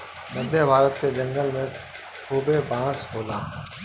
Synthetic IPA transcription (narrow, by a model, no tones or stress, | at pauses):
məd̪ʱjəbʱaːɾət̪ked͡ʒɐ̃ŋɡəlmẽ | kʰuːbebãːsboːlaː